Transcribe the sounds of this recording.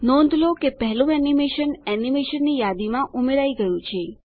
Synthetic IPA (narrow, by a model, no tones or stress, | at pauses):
nɔ̃nd̪ʱlokepɛɦlũɛnimeʃənɛnimeʃənːijad̪imãʔumeɾaiɡəjũt͡ʃʰe